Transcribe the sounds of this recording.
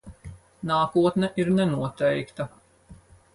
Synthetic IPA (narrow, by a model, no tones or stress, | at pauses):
naːkuɔt̪nɛʔiɾnɛnuɔt̪ɛjkt̪ɐ